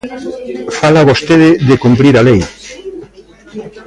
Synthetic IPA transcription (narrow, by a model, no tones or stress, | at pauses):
falaβost̪eðɪðɪkumpɾiɾalej